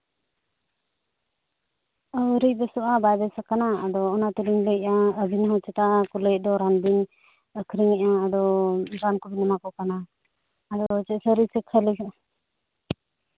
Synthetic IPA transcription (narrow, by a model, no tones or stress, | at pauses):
əɾic̚ˀbɛsɔʔabajbɛsakanaːd̪ɔːnat̪əliŋləcaəbinɦɔt͡ʃɛt̪akuləc̚ˀd̪ɔɾanbin | əkʰɾiŋɛʔaad̪ɔɾankɔbinːamakɔʔkanaː | d̪ɔɾɔt͡ʃɛʔsəɾisəkʰəlikɔ